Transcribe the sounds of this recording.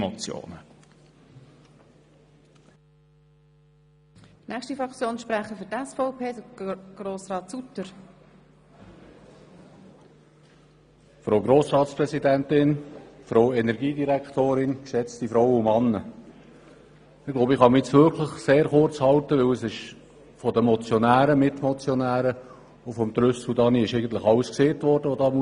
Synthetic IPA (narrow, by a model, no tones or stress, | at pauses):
mɔt͡sjo̰ːnə | nɛχstifɾɑkt͡sjoːnʃpɾæχəfʏɾtɛsfɔʊpʰeːdəɡ̥roːsrɑːt̪sut̪əɾ | fɾoːɡɾoːsɾɑːtspɾɛsid̪ænt̪ɪnfɾoʊɛnɛɾɡiːd̪iɾækt̪oːɾɪnksɛt͡st̪ifɾɔwʊmɑnːə | ɪɡlowbəɪχɑmit͡sʋʏɾkʰləχseːɾχʊrɾt͡shɑltəʋɪwəsɪʃ | fɔd̪əmɔt͡sjɔnæːɾəmɪt̪mɔt͡sjɔnæːɾə | ʊfɔmt̪ɾʏssud̪ɑːniɪʃɛɪɡən̩t̪ləχɑləskseːt̪ʋɔɾd̥əʋɔd̪ɑːmu